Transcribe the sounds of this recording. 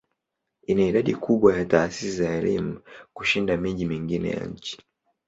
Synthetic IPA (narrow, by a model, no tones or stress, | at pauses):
inaiɗaɗikʰuɓwajataːsisizaɛlimukuʃindamiʄimiŋɡinɛ̰ja̰ɲ̩t͡ʃi̥